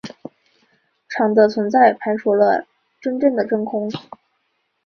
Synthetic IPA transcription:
ʈ͡ʂʰɑ˨˩ŋd̪ə˩t͡sʰwə˧˥nt͡sa˥˩ɪpʰa˧˥nʂu˧˥lə̰˧ | ʈ͡ʂə˥nʈ͡ʂɤ˥˩ŋd̪ə˩ʈ͡ʂɤ˥ŋkʰʊ˥ŋ

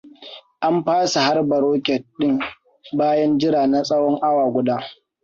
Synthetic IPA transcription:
ʔa˦mɸaː˦sa˨ha˦rbɐ˨ɾoː˦kʲɛ˨t̚ɗɪ˦ŋ | baː˦jɐ˦nd͡ʒɪ˦ɾaː˨na˦sʼɐ˦wɔ˦ŋʔa˦waː˨ɡʷʊ˦daː˦

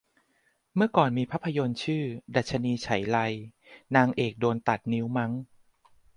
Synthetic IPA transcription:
mɯ˥˩ɐkɔː˨˩nmiː˧pʰa˦˥pʰːa˧jo˧nt͡ɕʰɯː˥˩da˨˩t̪̚t͡ɕʰa˧niː˧t͡ɕʰa˩˦jla˧j | naː˧ŋʔeː˨˩k̚doː˧nt̪a˨˩t̪̚ni˦˥wma˦˥ŋ

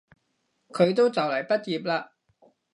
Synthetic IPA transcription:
kʰɵ˨˧ɥt̪o˥wt͡sɐ˨wlɐ˨˩jpɐ˥t̚jiː˨p̬̚laː˧

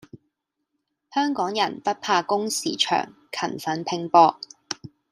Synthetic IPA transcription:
hœː˥ŋkɔː˨˥ŋjɐ˨˩npɐ˥t̚pʰaː˧kʊ˥ŋsḭː˨˥t͡ʃʰœ̰ː˨˩ŋ | kʰɐ̰˨˩nfɐ˨˥npʰɪ˧ŋpɔː˧k̚

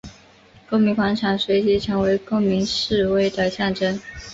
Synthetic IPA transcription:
ko˥˩ʊmi˧˥ŋkʰwa˧˥nʈ͡ʂʰɑ˨˥ŋswe˧˥ɪt͡ɕi˧˥ʈ͡ʂʰɤ˧˥ŋwe˧˥ɪko˥˩ŋmi˧˥ŋʂɻ̩˥˧we˥˩ɪd̪ə˩ɕjɑ˥˩ŋʈ͡ʂə˥n

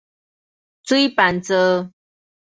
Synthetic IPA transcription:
t͡su˦i˦pa˨nt͡sə˧

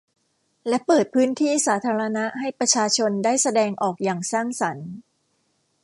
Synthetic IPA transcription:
lɛ˦˥pɤː˨˩t̪̚pʰɯː˦˥nt̪ʰiː˥˩saː˩˦t̪ʰaː˧ɾa˧na˦˥ʔɦa˥˩jpɾa˧t͡ɕʰaː˧t͡ɕʰo˧ndaː˥˩jsa˧dɛː˧ŋʔɔː˨˩k̚jaː˨˩ŋsaː˥˩ŋsa˩˦n

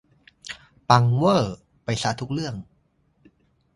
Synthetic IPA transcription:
pa˧ŋwɤː˥˩ | pa˧jsaː˧˥t̪ʰu˦˥k̚ɾɯ˥˩əŋ

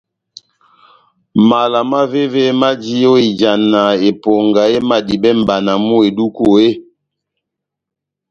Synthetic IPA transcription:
ma˨la˨ma˦ve˦ve˦ma˦d͡ʒi˦o˦i˨d͡ʒa˨na˨e˨pɔ˨ŋɡa˨e˦ma˨di˨bɛ˦m̩˨ba˨na˨mu˦e˨du˦ko˨e˦

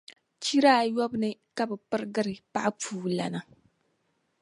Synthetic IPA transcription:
t͡ʃi˦ɾaː˦˨jɔ˦bnɨ˦ka˦bɨ˨pɨ˦ɾɡɨ˦ɾɨ˨pa˦ʔa˦p͡fuː˦˨la̰˨na˨

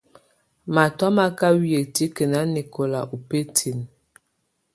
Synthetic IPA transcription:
ma˨tɔ˦ma˦ka˦wi˦˨e˨ti˦kə˨na˦ni˨kʰo˨la˨ʔu˨pe˦tʰi˨n

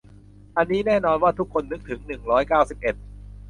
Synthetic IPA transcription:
ʔa˧nːiː˦˥nɛː˥˩nɔː˧nwaː˥˩t̪ʰu˦˥kʰːo˧nːɯ˦˥k̚t̪ʰɯ˩˦ŋnɯ˨˩ŋɾɔː˦˥jkaː˥˩wsi˨˩p̚ʔe˨˩t̪̚

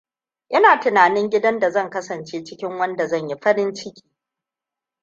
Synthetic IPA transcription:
ʔɪ˦naː˨tɪ˨naː˨nɪ˦ŋɡʲɪ˦dɐ˦nda˨zɐ˦ŋkɐ˦sɐ˨nt͡ʃeː˦t͡ʃɪ˦kʲɪ˦ŋwɐ˦nda˨zɐ˦˨ɲji˦ɸɐ˦ɽɪ˦nt͡ʃɪ˦kʲi̥ː˨

